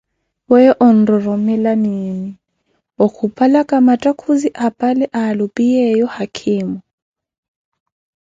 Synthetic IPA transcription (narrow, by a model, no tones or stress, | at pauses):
wɛʔɔn̩rɔɾɔmɛlanini | ɔkʰupʼalakʼamatʼakʰuziʔapʼalɛʔaːlʊpʼijɛjɔhakʰɪːmɔ